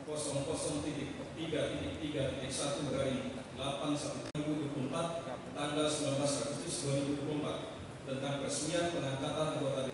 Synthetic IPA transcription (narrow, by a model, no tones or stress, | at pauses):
kɔsɔŋkɔsɔŋt̪itɪk̚t̪iɡat̪it̪ɪk̚t̪iɡat̪it̪ɪksat̪uməɾaɾi | lapansat̪ut̪ɾibud̪uapumpat̪̚ː | aŋɡalsəmbulanblasɾak̪ut̪ɪsd̪uaɾibud̪uplumpat̪̚ː | ənt̪aŋpəɾsəmianpənaŋkat̪anʔaŋɡot̪ad